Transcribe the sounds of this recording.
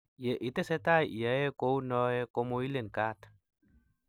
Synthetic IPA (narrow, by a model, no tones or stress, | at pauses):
jeʔit̪eset̪ajʔjaekounɔekomoilenkat̪